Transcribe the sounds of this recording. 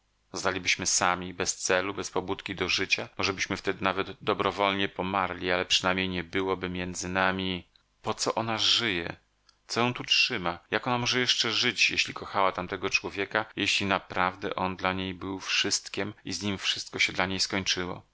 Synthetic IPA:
znalʲibɘɕmɘsamʲibɛst̪sɛlubɛspɔbut̪kʲid̪ɔʐɘt͡ɕamɔʐɛbɘɕmɘft̪ɛd̪ɘnavɛd̪d̪ɔbɾɔvɔlɲɛpɔmaɾlʲialɛpʂɘnajmɲejɲɛbɘwɔbɘmʲjɛnd̪zɘnamʲi | pɔt̪sɔʔɔnaʐɘjɛ̰ | t̪sɔjɛ̃w̃t̪ut͡ʂʂɘmajakɔnamɔʐɛjɛʂt͡ʂɛʐɘt͡ɕjɛ̰ɕlʲikɔxawat̪amt̪ɛɡɔt͡ʂwɔvʲjɛkajeɕlʲinapɾavd̪ɛ̰ʔɔnd̪laɲejbɘwfʂɘst̪kʲemizɲimfʂɘst̪̚kɔɕɛd̪laɲejskɔɲt͡ʂɘwɔ̰

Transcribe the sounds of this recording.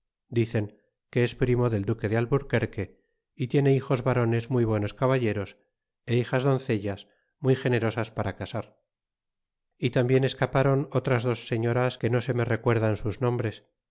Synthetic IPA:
d̪iθe̞ŋ | ke̞espɾimo̞ðe̞ld̪uke̞ðealβuɾke̞ɾke̞ | it̪je̞ne̞ixo̞zβaɾo̞ne̞zmujβwe̞no̞skaβaʎe̞ɾo̞s | e̞ixazðo̞nθe̞ʎas | mujxe̞ne̞ɾo̞saspaɾakasaɾ | it̪ambje̞ne̞skapaɾo̞no̞t̪ɾazðo̞sːe̞ɲo̞ɾaske̞no̞se̞me̞re̞kwe̞ɾðansuznõ̞mbɾe̞s

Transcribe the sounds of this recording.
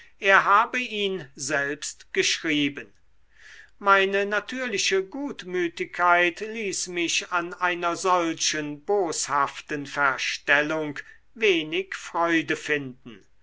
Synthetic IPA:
ʔeːɐɦaːbəʔiːnzɛlpstɡ̥əʃʁiːbən | maɪnənatʰyːɐlɪʃəɡuːtmyːtɪkʰːaɪtliːsmɪɕanʔaɪnɐzɔlɕənboːshaftənfɛɐʃtɛlʊŋk | veːnɪkfʁ̥ɔʏdəfɪndn̩

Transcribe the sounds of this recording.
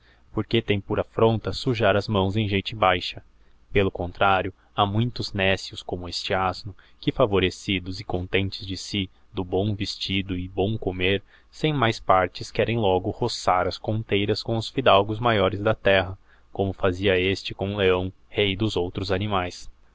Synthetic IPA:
poɾket̪ẽj̃puɾɐfɾõnt̪ɐsuʒaɾɐzmɐ̃w̃zẽj̃ʒejt͡ʃɪ̃bajʃɐ | pelʊkõnt̪ɾaɾjʊ | amũj̃t̪ʊznɛsjʊskõmʊest͡ʃɪaznʊ | kɪfavoɾesid̪ʊzɪkõnt̪ẽnt͡ʃɪzd͡ʒɪsi | d̪ʊbõw̃vɪst͡ʃid̪ʊɪbõw̃komeɾ | sẽj̃majspaɾt͡ʃɪskɛɾẽj̃lɔɡʊhosaɾɐskõnt̪ejɾɐskõw̃ʊsfid̪awɡʊzmajɔɾɪzd̪ɐt̪ɛɦɐ | kõmʊfaziɐest͡ʃɪkõleɐ̃w̃ | hejd̪ʊzowt̪ɾʊzanimajs

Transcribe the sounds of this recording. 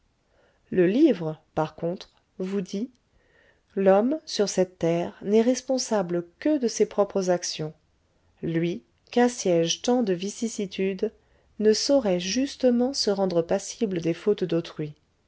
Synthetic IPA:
ləlivʁəpaʁkɔ̃t̪χ | vud̪i | lɔmsyʁsɛt̪ːɛʁnɛʁɛspɔ̃sabləkəd̪əsepχɔpχəzaksjɔ̃ | lɥi | kãsjɛʒt̪ɑ̃d̪əvisisit̪ʰyd̪ | nəsɔʁɛʒyst̪əmɑ̃səʁɑ̃d̪ʁəpasibləd̪efot̪d̪ot̪χɥi

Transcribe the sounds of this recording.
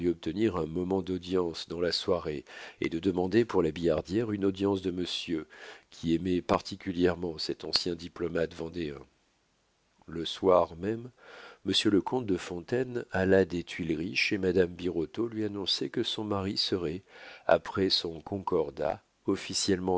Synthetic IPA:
iɔp̚t̪əniʁɛ̃mɔmɑ̃d̪ɔd̪jɑ̃sd̪ɑ̃laswaʁeḛd̪əd̪əmɑ̃d̪epuʁlabijaʁd̪jɛʁynɔd̪jɑ̃sd̪əməsjøkʲʰiɛmɛpaʁt̪ʰikʲyljɛʁmɑ̃sɛt̪ɑ̃sjɛ̃d̪iplɔmat̪vɑ̃d̪eɛ̃ | ləswaʁmɛmːəsjøləkɔ̃t̪̚d̪əfɔ̃t̪ɛnalad̪et̪ɥilʁiʃemad̪ambiʁɔt̪olɥianɔ̃sɛkəsɔ̃maʁisəʁɛa̰pχɛsɔ̃kɔ̃kɔʁd̪a̰ | ɔfisjɛlmɑ̃

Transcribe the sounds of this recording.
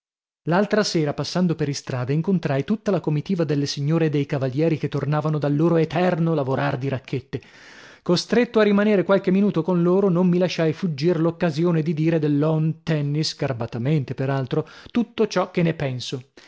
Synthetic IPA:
lalt̪ɾaseːɾapasːand̪opeɾist̪ɾaːd̪aiŋkont̪ɾajt̪ut̪ːalakomit̪iːvad̪elːesiɲːoːɾed̪ejkavaljɛːɾiket̪ːornaːvanod̪alːoːɾoet̪ɛrnolavoɾard̪iɾakʰːet̪ːe | kost̪ɾet̪ːoarːimaneːɾekwalk̟emːinuːt̪okonloːɾonomːilaʃːajfud͡ʒːirlokːazjoːned̪id̪iːɾed̪elːɔnt̪ɛnːiskarbat̪ament̪epeɾalt̪ɾot̪ut̪ːot͡ʃɔkːenːepɛnso

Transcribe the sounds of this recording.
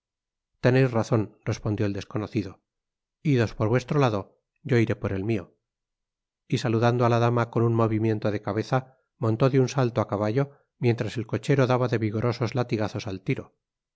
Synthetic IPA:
t̪e̞nejzraθo̞nrre̞spond̪jo̞eld̪e̞sko̞noθiðo̞ | iðo̞spo̞ɾβwe̞st̪ɾo̞laðo̞ | ɟ͡ʝo̞iɾe̞po̞ɾe̞lmio̞ | isaluðand̪oalaðamakonunmo̞βimje̞nt̪o̞ðe̞kaβe̞θa | mo̞nt̪o̞ðunsalt̪oakaβaʝo̞ | mje̞nt̪ɾase̞lko̞t͡ʃe̞ɾo̞ðaβaðe̞βiɣo̞ɾʔo̞so̞zlat̪iɣaθo̞salt̪iɾo

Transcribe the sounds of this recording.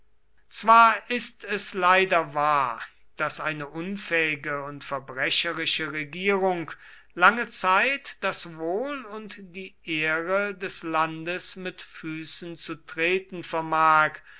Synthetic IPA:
t͡sv̥aːɐɪstɛslaɪdɐvaːɐ | d̥asʔaɪnəʔʊnfɛːɪɡəʊntfɛɐbʁɛʃəʁɪʃəʁeɡiːʁʊŋk | laŋət͡saɪtd̥asvoːlʊntd̥iːʔeːʁədɛslandəsmɪtfyːsn̩t͡sutʁ̥eːtn̩fɛɐmaːk

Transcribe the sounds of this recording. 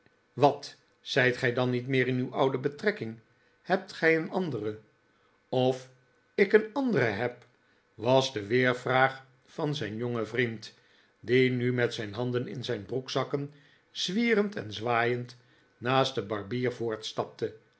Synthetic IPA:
ʋɑt | z̥ɛjtχɛjdɑnːitmɪːɾɪnywʔɑwdəbətrɛkɪŋ | hɛp̚tχɛjənɑndərə | ɔf | ɪkənɑndərəɦɛp | ʋɑzdəʋɪːɹvraːχ | fɑnzɛjnjoŋəvrint | dinymɛtsɛjnɦɑndənɪ̰nzɛjnbruksɑkən | z̥ʋiːrəntʰɛ̰nzʋaːjənt | naːstdəbɑrbiːrvʊːɹtstɑp̚tə

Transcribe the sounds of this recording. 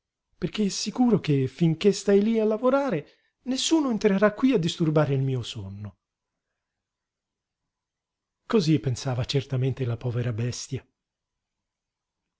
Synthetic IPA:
perk̟eɛsːikuːɾok̟efːiŋk̟est̪ajlialːavoɾaːɾe | nesːuːnoent̪ɾeɾakːwiad̪ːist̪urbaːɾeilmiːosonːo | kozipːensaːvat͡ʃert̪ament̪elapɔːveɾabɛst̪ja

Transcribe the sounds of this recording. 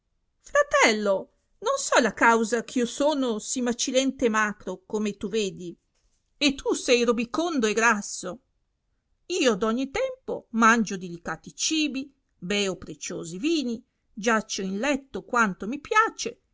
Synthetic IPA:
fɾat̪ɛlːo | nonsɔlakawzak̟ʰiosoːnosimat͡ʃilɛnt̪emaːkɾokomet̪uveːd̪i | et̪ʰːusɛjɾobikond̪oeɡɾasːo | iːod̪ɔɲːit̪ɛmpomand͡ʒod̪ilikaːt̪it͡ʃiːbi | bɛːopɾet͡ʃoːziviːni | d͡ʒat͡ʃːoinlɛt̪ːokwant̪omipjaːt͡ʃe

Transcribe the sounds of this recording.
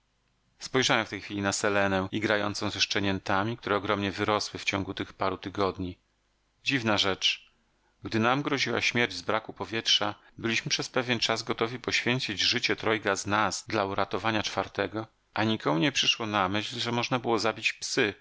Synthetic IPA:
spɔjʐawɛ̃mft̪ɛjxfʲilʲinasɛlɛnɛiɡɾajɔ̰nt̪sɔ̃w̃zɛʂt͡ʂɛɲɛnt̪amʲik̚t̪uɾɛɔɡɾɔmɲɛvɘɾɔswɘft͡ɕɔ̃ŋɡut̪ɘxpaɾut̪ɘɡɔd̪ɲi | d͡ʑivnaʐɛt͡ʂ | ɡd̪ɘnamɡɾɔʑiwa̰ɕmʲjɛɾd͡ʑzbɾakupɔvʲjɛtʂa | bɘlʲiɕmɘpʂɛspɛvʲjɛnt͡ʂazɡɔt̪ɔvʲipɔɕfʲjɛɲt͡ɕid͡ʑʐɘt͡ɕɛt̪ɾɔjkaznaz̥d̪lauɾat̪ɔvaɲat͡ʂfaɾt̪ɛɡɔ | ʔaɲikɔmuɲɛpʂɘʂwɔnamɘɕlʐɛmɔʐnabɘwɔzabʲit͡ɕpsɘ

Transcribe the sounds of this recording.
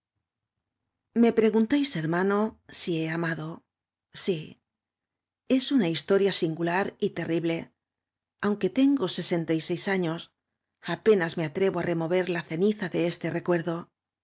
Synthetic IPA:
me̞pɾe̞ɣunt̪ajse̞ɾmano̞sie̞amaðo̞ | si | e̞sunaist̪o̞ɾjasiŋɡulaɾit̪e̞rʔiβle̞ | awŋke̞t̪e̞ŋɡo̞se̞se̞nt̪ajse̞jsaɲo̞s | ape̞nazme̞at̪ɾeβo̞are̞mo̞βe̞ɾlaθe̞niθaðe̞est̪e̞re̞kwe̞ɾðo̞

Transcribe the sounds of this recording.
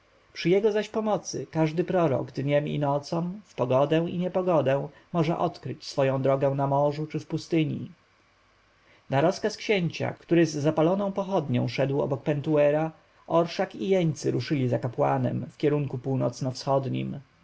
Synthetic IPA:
pʂɘjɛɡɔzaɕpɔmɔt̪sɘkaʐd̪ɘpɾɔɾɔ̰ɡd̪ɲɛmḭnɔt̪sɔ̃mfpɔɡɔd̪ɛw̃iɲɛpɔɡɔd̪ɛ̃w̃ | mɔʐɛ̰ʔɔt̪kɾɘt͡ɕsfɔjɔ̃w̃d̪ɾɔɡɛ̃w̃namɔʐut͡ʂɘfpust̪ɘɲḭ | naɾɔskaskɕeɲt͡ɕa̰kt̪uɾɘzːapalɔnɔ̃w̃pɔxɔd̪ɲɔ̃w̃ʂɛd̪wɔ̰bɔk̚pɛnt̪uɛɾa | ʔɔɾʂakijɛɲt̪sɘɾuʂɘlʲizakapwa̰nɛ̰mfkʲɛɾuŋkupuwnɔ̰t̪snɔfsxɔd̪ɲḭm

